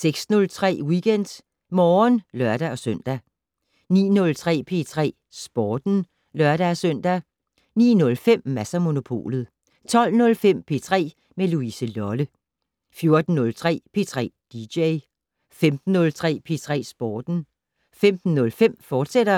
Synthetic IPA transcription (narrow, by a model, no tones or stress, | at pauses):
seɡ̥snɔ̽lt͡sʰʁɛ̰ːwiɡ̥en̰d̥ | mɒːnlɶɐɾ̥æɒ̽søn̰d̥æ | nḭːnɔ̽lt͡sʰʁɛ̰ːpʰe̝ːt͡sʰʁɛ̰ː | sb̥ɒːd̥n̩ | lɶɐɾ̥æsøn̰d̥æ | nḭːnɔ̽lfem̰mæsɐmo̝no̝pʰo̝̰ːlð̩ˠ | t͡sʰɒ̽l̰nɔ̽lfem̰pʰe̝t͡sʰʁɛ̰ː | meluisəlɒlə | fjo̝ɐd̥n̩ːɔ̽lt͡sʰʁɛ̰ːpʰe̝ːt͡sʰʁɛ̰ːd̥ideɪ | femd̥n̩ːɔ̽lt͡sʰʁɛ̰ːpʰe̝ːt͡sʰʁɛ̰ːsb̥ɒːd̥n̩ | femd̥n̩ːɔ̽lfem̰fɒːd̥seɾ̥ɐ